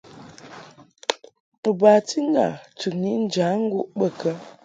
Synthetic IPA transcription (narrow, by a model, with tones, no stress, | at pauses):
ə˨ba˨ti˦ŋ˦ɡa̰˨tu˨ni˦n̩˦d͡ʒa˨˦ŋ̩˦ɡu˦˨ʔɓə˨kə˦